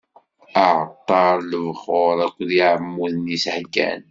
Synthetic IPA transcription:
əʕt̪ˤːɑɾˤləvχoɾˤækʷːðiʕəmːuðnishɡæ̰n

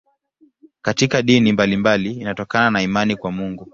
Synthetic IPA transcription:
katikaɗinimbalimbaliːnatɔkananaimanikwamuŋɡu

